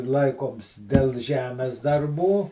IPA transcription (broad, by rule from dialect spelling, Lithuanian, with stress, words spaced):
ˈlˠɐɪkoːms dʲɛlˠ ˈʒʲæːmʲɛs dɐrˈbuː